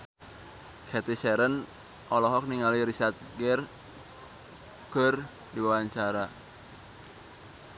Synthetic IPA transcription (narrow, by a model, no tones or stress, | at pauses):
kʰɛt̪isɛɾən | ʔɔlɔɦɔk̚niŋaliɾisart̪̚ɡɛr | ɡ̥ər | diwawaɲt͡ʃaɾa